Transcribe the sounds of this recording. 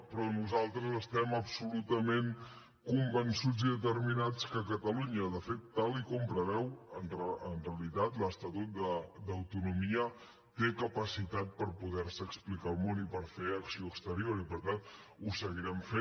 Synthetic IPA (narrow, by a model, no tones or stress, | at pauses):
pɾɔnuzalˠt̪ɾəzəst̪ɛməpsulut̪əmen | kumbənsud͡ziðət̪əɾminat͡skəkət̪əluɲəðəfet̪ːalˠikumpɾəɾɛwənrənreəlit̪at̪ləst̪ət̪ut̪̚d̪əd̪əwt̪unumiə | t̪ekəpəsit̪at̪̚pəɾpuðɛɾsəːksplikalˠmonipəɾfeəksioəkst̪əɾioɾipəɾt̪an | usəɣiɾɛmfe